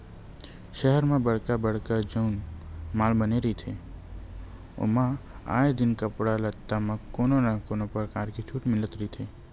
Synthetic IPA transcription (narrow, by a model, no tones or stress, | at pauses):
ʃɛɦəɾmẽbəɽ̤kabəɽ̤kəd͡ʒəʊnmaːlbəneɾəɦit̪ʰe | o̰mãa̰ːed̪ɪnkəpɽalət̪ːamẽkononakonopəɾkaːɾket͡ʃʰuʈmɪlət̪ɾəɦit̪ʰe